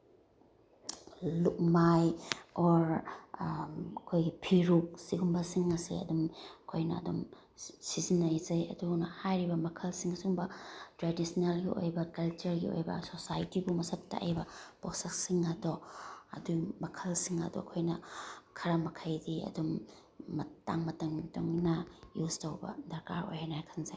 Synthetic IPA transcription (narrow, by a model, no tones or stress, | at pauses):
luk̚majɔɾ | ɐkʰojɡipʰiɾuk̚siɡumbɐsiŋɐsḭɐ̰dumɐkʰojnɐɐ̰dum | sizinːɐjzɐjɐ̰dunɐhajɾibɐmɐkʰɐlsiŋɐsuŋbɐtɾadisnalɡio̰jbɐkɐlt͡ʃɐɾɡḭo̰jbɐ̰sosajtibumɐsɐt̚tɐ̰ʔɐ̰jbɐposɐk̚siŋɐdɔɐ̰dumɐkʰɐlsiŋɐ̰dɔ̰ɐkʰojnɐkʰɐɾɐmɐkʰɐjdiɐ̰dumː | ɐta̰ŋmɐtɐŋtoŋnɐjustɐwbɐ̰dɐɾkaɾo̰jhanajkʰɐnzaj